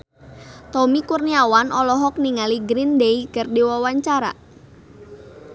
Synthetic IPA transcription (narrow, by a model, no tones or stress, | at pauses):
t̪ɔmikurniawanʔɔlɔɦɔk̚niŋaliɡɾindeiɡərdiwawaɲt͡ʃaɾa̰